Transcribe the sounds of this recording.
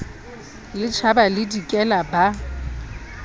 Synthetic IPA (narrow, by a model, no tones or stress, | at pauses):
lɪt͡ʃʰabalɪdikʼɛlaba